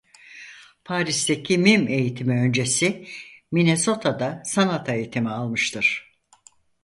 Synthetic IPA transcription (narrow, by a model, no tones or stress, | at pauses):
pʰaːɾisd̪ecʰimime̞jit̪ʰimiø̞nd͡ʒe̞simineso̞t̪ʰad̪asanat̪ʰaejit̪ʰimialˠmɯʃt̪ʰɯɾ̥